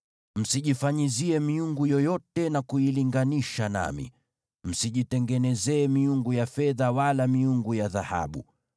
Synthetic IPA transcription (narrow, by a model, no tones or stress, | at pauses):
m̩siʄifaɲiziɛmiuŋɡujɔjɔtɛnakuiliŋɡaniʃana̰mḭ | m̩siʄitɛŋɡɛnɛzɛːmiuŋɡujafɛðawalamiuŋɡujaðaha̰ɓu